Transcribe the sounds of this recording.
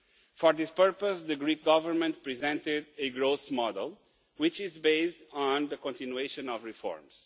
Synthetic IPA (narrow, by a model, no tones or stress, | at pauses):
fɔɹðɪspɜɹpəsðɨɡɹik̚ɡ̥ʌvəɾmə̃nt̚pɹizɛ̃ntɪdɨɡɹoʊsmɔdə̰lˠ | wɪt͡ʃɪzbeɪstn̩ðəkɔ̃ntinueʃɨ̃nɔvɹifɔ̰ɹmz̥